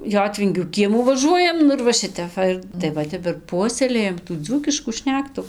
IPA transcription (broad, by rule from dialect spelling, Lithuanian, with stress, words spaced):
ˈjoːtʲʋʲɪŋʲɡʲuː ˈkʲiɛmuː ʋɐˈʒuɔjɛm ˈnʊ ɪr ʋɐ ˈʃʲɪtʲɛp ˈʋɐ ɪr tɐɪ ˈʋɐ ˈtʲɛp ɪr ˈpuɔsʲɛlʲeːjɛm tuː ˈd͡zuːkʲɪʃkuː ˈʃʲnʲæːktʊ